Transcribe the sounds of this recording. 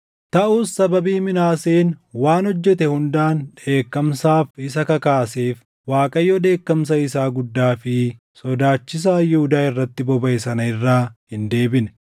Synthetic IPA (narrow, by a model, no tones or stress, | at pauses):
t̪ɐʔuːsːɐbɐbiːmɪnaːseːnwaːnɔd͡ʒːɛt̪ɛhʊnd̪aːnᶑe̞ːkːɐmsaːfɪsɐkɐkaːseːf | waːkʼɐjːɔːᶑ̪e̞ːkːɐms̬ɐɪsaːɡʊd̪ːaːfɪ | sɔd̪aːt͡ʃːɪs̬aːjɪhʊd̪aːɪrːɐt̪ːɪbɔbɐʔɪsɐnɐɪrːaːhɪnd̪e̞ːbɪnɛ̥